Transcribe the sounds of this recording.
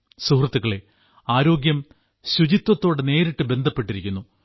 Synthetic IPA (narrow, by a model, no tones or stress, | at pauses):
suhrɐt̪ːuɣɐɭe̞ | aːɾo̞ːɡjɐm | ɕud͡ʑit̪wɐt̪ːo̞ːɽene̞ːɾiʈːɨbe̞nd̪ʱɐpːe̞ʈːiɾikʲːunːu